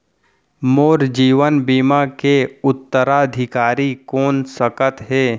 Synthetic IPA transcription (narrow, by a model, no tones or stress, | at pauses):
moːɾd͡ʒiːʋənbiːmakeʊt̪ːəɾaəd̪ʱɪkaːɾikoːnsəkət̪ɦɛː